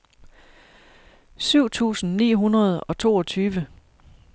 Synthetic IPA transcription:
syʊ̰t͡sʰṵːsn̩nḭːɦunɐð̞ˠɒ̽t͡sʰo̝̰ːɒ̽t͡sʰyːʋə

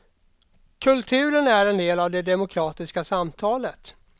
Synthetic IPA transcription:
kʰɵlt̪ʰʉ̟ːɾənæɾɛnd̪eːlavd̪ɛd̪ɛmʊkʰɾɑːt̪ɪskasamt̪ʰɑːlət̪

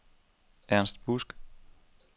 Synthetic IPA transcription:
ʔæɐnsd̥b̥usɡ̥

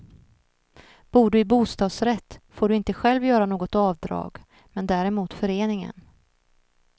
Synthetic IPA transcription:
b̥uːɖɵɪbuːst̪ɑːd̪sɾɛt̪ːfoːɖɵɪnt̪əɧɛlvjœːɾanoːɡɔt̪ɑːvd̪ɾɑ̰ːɡ | mɛnd̪æːɾɛmuːt̪fœɾeːnɪŋə̰n

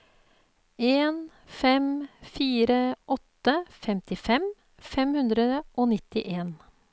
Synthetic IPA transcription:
eːn | fɛmfiːɾəʔɔt̪ːəfɛmt̪ɪfɛm | fɛmhʉnd̪ɾəʔoːnɪt̪ɪʔeːn

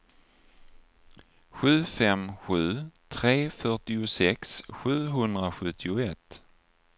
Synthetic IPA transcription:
ɧʉ̟ːfɛmɧʉ̟ːt̪ʰɾeːfœʈɪʊsɛksɧʉ̟ːɦɵnd̪ɾaɧɵt̪ʰːɪʊɛt̪

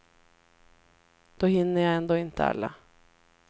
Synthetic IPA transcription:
d̪̥oːhɪnːəjaɪɛnd̪oːɪnt̪ʰə̰ɑ̰lːə̰

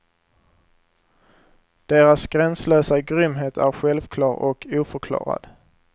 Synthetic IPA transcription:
d̪̥eːɾasɡ̥ɾɛnsløːsaɡɾʏmɦeːt̪ʰæɾɧɛlvkʰlɑːɾʔɔ̰kʰuːfœɾkʰlɑ̰ːɾa̰d̪̥

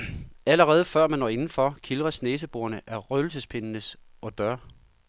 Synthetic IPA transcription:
æləʁɛːð̞̩ˠəfɶɐ̰mænɒ̰ːe̝nn̩fɒ̽kʰilʁɐsneːs̬əb̥o̝ːɐnəʔæɐʁœl̩səspʰe̝nnəs | ɒ̽d̥ɶɐ̰

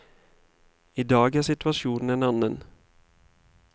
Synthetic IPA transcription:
ɪd̪ɑːɡæʂɪt̪ʉɑʂuːnn̩enɑnən

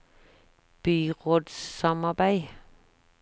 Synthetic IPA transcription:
b̥yːʁoːd̪sːɑmɑbæɪ

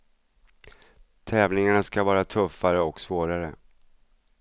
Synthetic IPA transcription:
t̪ʰɛːvlɪŋaɳaskavɑːɾat̪ʰɵfːaɾəɔksvoːɾaɾə

